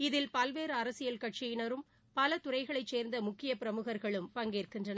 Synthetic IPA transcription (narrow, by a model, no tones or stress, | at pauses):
ɪðɪlpɐlʋeːɾɯɐɾɐsɪjɐlkɐʈ̚t͡ʃɪjɪnɐɾɯm | pɐlɐt̪ʊrɐɪɣɐɭɐɪt͡ʃseːɾnd̪ɐmʊkːɪjɐpɪɾɐmʊɣɐɾɣɐɭɯmpɐŋɡeːrkɪndrɐnɐ